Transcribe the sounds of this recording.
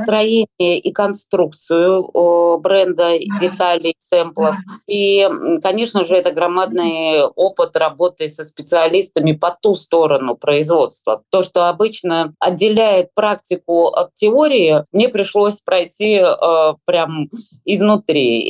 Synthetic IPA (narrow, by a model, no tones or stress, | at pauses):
st̪ɾɐjenʲɪjəʔikɐnst̪ɾukt̪sɨjʊbɾɛnd̪ədʲɪt̪alʲɪjsɛmplˠəfikɐnʲe̞ʂnəʐɨɛt̪əɡɾɐmad̪̚nɨjo̞pɨt̪rɐbo̞t̪ɨjɪsəspʲɪt̪sɨɐlʲist̪əmʲɪpɐt̪ust̪o̞ɾənʊpɾəɪzvo̞t̪st̪və̰t̪o̞ʂt̪o̞ɐbɨt͡ɕnəɐdʲːɪlʲæjɪt̪̚pɾaktʲɪkʊɐ̰t̪tʲːɪo̞ɾʲɪɪmnʲe̞pɾʲɪʂlˠo̞sʲpɾɐjtʲipɾʲam | ɪznʊt̪ɾʲi